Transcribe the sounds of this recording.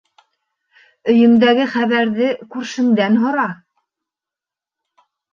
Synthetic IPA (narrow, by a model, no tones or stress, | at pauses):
ɵ̆jɵ̆md̪æɡɘχæβæɾðɘkʉɾʃɘ̆ŋd̪ænɦŏɾɑ